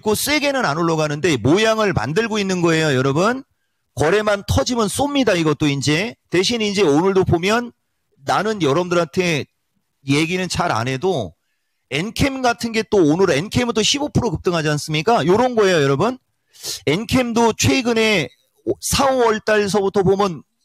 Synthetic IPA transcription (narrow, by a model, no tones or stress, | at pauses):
k͈os͈e̞ɡe̞nɯnanoɭːʌɡɦanɯnde̞mojaŋɯɭma̰ndɯɭɡoinːɯnɡʌe̞jojʌɾʌbɯn | kʌɾe̞mantʰʌd͡ʑimɯns͈omɲidaiɡʌt͈̚oind͡ʑe̞te̞ɕʰinind͡ʑe̞onɯɭdopomjʌnː | anɯnjʌɾʌmdɯɾatʰe̞ | je̞ɡinɯnt͡ɕaɾa̰nɦe̞do | e̞nkʰemɡatʰɯnɡe̞t͈oːnɯɾe̞nkʰe̞mdoɕʰibopʰɯɾokɯp̚t͈ɯŋɦad͡ʑians͈ɯmɲik͈ajoɾʌnɡʌe̞jojʌɾʌbun | e̞nkʰe̞mdot͡ɕʰweɡɯne̞ | sʰauʌɭt͈aɭs̬ʰʌbutʰʌbomjɯn